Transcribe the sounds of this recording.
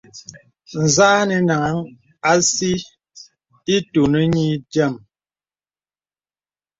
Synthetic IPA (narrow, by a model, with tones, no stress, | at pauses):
n̩˨zaː˦nɛ˨na˨ŋa˨˦ŋ | a˦si˦ | i˦tu˨ne˦ɲi˦d͡ʒɛ˦˨m